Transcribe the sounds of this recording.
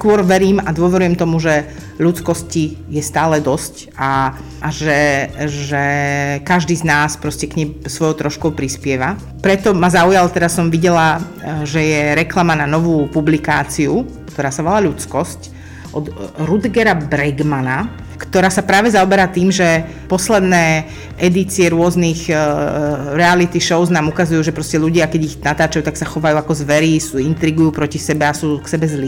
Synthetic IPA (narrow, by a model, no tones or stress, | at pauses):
skʊɔɾʋɛɾiːmad̪wʊɔʋɛɾujɛmt̪ɔmuʒɛ | ʎut͡skɔscijɛst̪aːlɛd̪ɔsc | a | ʔːʒɛʒɛkaʒd̪iːznaːspɾɔscɛkɲɛmsʋɔjɔʊt̪ɾɔʃkɔʊpɾispɪɛʋa | pɾɛt̪ɔmazaujalt̪ɛd̪asɔmʋiɟɛla | ʒɛjɛɾɛklamananɔʋuːpublikaːt͡siukt̪ɔɾaːsaʋɔlaʎut͡skɔsc | ʔɔd̪ɾud̪ɡɛɾabɾɛɡmana | kt̪ɔɾaːsapɾaːʋɛzaɔbɛɾaːt̪iːmʒɛ | pɔslɛd̪nɛː | ʔɛd̪it͡siɛɾʊɔzniɣ | ɾɛalit̪iʃɔʊznaːmukazujuːʒɛpɾɔscɛʎuɟɪakɛɟiɣnat̪aːt͡ʃajuːt̪aksaxɔʋajuːakɔzʋɛɾiːsuːint̪ɾiɡujuːpɾɔcisɛbɛasuːksɛbɛzli